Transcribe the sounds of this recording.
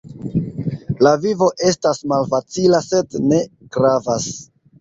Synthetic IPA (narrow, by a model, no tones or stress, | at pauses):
lavivo̞ʔe̞stasmalfat͡silase̞dne̞ɡ̥ɾavas